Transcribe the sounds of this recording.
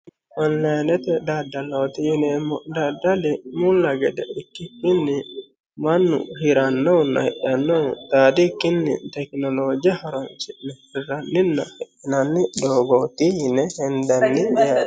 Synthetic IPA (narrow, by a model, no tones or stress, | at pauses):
ɔnlɐjnɛt̪ɛd̪aːd̪ːɐloːt̪ɪjɪnemːɔd̪ad̪ːɐlɛmʊlːɐɡɛd̪ɛ̰ʔɪkːɪkːɪnːɪ | mɐnːʊ̰hɪɾɐnːɔwnːɐ̰hɛʔɐnːɔwt̪aːd̪ikːɪnːɪ̰t̪ɛknɔloːd͡ʒɪɐhɐɾɔnsɪʔnɛfɪrɐnːɪnːɐhɛʔːɪnɐnːɪd̪oːɡoːt̪ɪjɪnɛhɛnd̪ɐnːɪɪja